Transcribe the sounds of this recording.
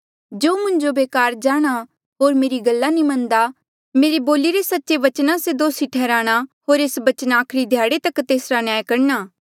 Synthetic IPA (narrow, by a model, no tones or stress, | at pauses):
d͡ʒoːmʊ̃ɲd͡ʒobeːkaːɾd͡ʒaːɽ̃a | ɦoːɾmeːɾiɡɐlːanĩmɐ̃nd̪a | meːɾeboːliɾesɐtːʃeʋɐt͡ʃnãsed̪oːsiʈʰɛːɾaːɽ̃aɦoːɾeːsbɐt͡ʃənaːkʰɾid̪ʱjaːɽet̪ɐkt̪eːsɾanjaːjkɐɽnaː